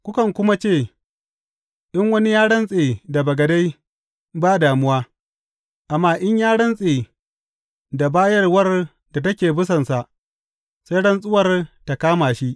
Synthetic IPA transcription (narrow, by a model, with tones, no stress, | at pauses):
kʷʊ˦kɐ˨ŋkʷʊ˦ma˦t͡ʃeː˦˨ | ɗɪ˦ŋwɐ˦ni˦jaː˦ɽɐ˦nsʼeː˨da˨bɐ˨ɡɐ˨da˦j | baː˦daː˨mʊ˦waː˦ | ʔa˨mːaː˦˨ʔɪ˦ɲjaː˦ɽɐ˦nsʼeː˨ | da˨baː˦jɐ˦rwɐ˦r | da˨tɐ˦kʲeː˨bʊ˦sɐ˨nsa˨ʔ | sa˦jɽɐ˦nsʼʊ˦wɐ˨rta˨kaː˦maː˨ʃi˦ʔ